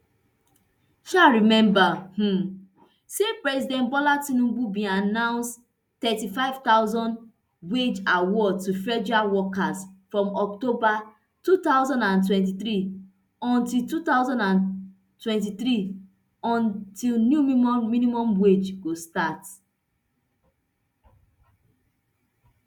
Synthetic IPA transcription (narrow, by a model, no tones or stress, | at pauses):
ʃaɹimɛ̃mbah̩ | sepɹɛzidɛ̃nt̚bɔlatĩnũɡubĩanãʊ̃nst | tɛtifaɪv̥taʊzɔ̃n | bwed͡ʒawɔtufɹɛd͡ʒawɔkasfɹɔ̃mɔk̚toba | tut̪aʊzɔ̃ndãntwɛ̃nt̬it̪ɹi | ɔ̃ntiltut̪aʊzɔ̃ndãn | twɛ̃nt̬iθɹi | ɔ̃ntilnjummĩnimɔ̃mbwed͡ʒɡostat